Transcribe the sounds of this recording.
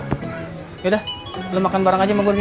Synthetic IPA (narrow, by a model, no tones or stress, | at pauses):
jadah | lomakanbaɾaŋad͡ʒaməbus